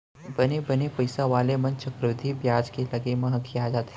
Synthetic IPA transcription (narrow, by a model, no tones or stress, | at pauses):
bɐnebɐnepɐɪsaʋaːlemɐ̃nt͡ʃɐkɾəd̪ʱibjaːd͡ʒkelɐɡemɐɦəkʰiaːd͡ʒaːt̪